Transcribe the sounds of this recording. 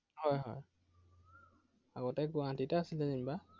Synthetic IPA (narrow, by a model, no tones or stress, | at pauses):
hɔjɦɔ̰j | aɡɔtɛɡuãtitɛasilɛnimba